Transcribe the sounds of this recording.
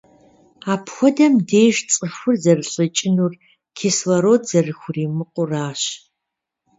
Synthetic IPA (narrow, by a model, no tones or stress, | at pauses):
aːpxʷɔdɐmdeːʒt͡sʼɨxʷʊrzɐrɨɬʼət͡ʃʼɪnuːr | kʰiswɐɾoːdzɐrɨxʷʊriːmɨqʷʼʊraːɕ